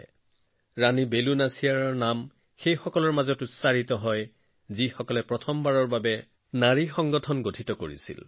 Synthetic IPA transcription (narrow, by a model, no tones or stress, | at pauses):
ɹanibelunasijaɹaɹnam | xejxɔkɔlɔɹmazɔtʊsaɹitɔɦɔj | zixɔkɔlɛpɹɔtʰɔmbaɹɔɹbabɛ | naɹixɔŋɡɔtʰɔnɡotʰitɔkoɹḭsḭl